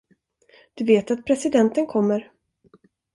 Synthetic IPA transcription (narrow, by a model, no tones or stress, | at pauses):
d̪̥ɵveːt̪at̪̚pʰɾɛsɪd̪ɛnt̪ənkʰɔmːəɾ